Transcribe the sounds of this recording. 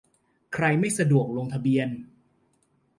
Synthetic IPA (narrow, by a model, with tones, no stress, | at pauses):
kʰɾa˧jma˥˩jsa˧du˨˩ək̚loː˧ŋt̪ʰa˧bi˧ən